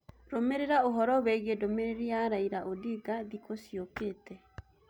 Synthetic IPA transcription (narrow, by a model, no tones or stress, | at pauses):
ɾomeɾeɾaoɦɔɾɔwɛɣedomeɾeɾiaɾaiɾaʔodiɡaðikosjokeːtɛ